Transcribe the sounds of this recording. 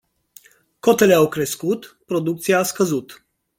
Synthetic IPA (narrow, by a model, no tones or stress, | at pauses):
ko̞t̪e̞leawkɾe̞skut̪pɾo̞d̪uk̚t̪siaːskəzut̪